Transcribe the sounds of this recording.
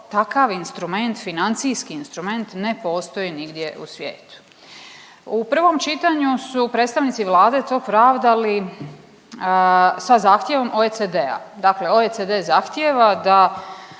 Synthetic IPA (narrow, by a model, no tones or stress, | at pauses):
t̪akaʋinst̪ɾume̞nt̪finant̪sijskiːnst̪ɾume̞nt̪ne̞po̞ːst̪o̞iniɡd̪je̞ʔṵsʋjeːt̪u̥ | upr̩ʋo̞mt͡ʃit̪aɲusupɾet̪st̪aʋnit̪siʋlˠaːd̪e̞t̪o̞ːpɾaːʋd̪ali | sazaːxt̪je̞ʋo̞mʔoesed̪ea̰d̪akle̞oeed̪ezaxt̪jeʋad̪a